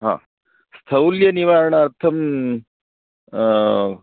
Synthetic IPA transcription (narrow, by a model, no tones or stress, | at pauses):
ɦã̰ː | st̪ʰɐwljɐniʋaːɾɳɐːɾt̪ʰɐm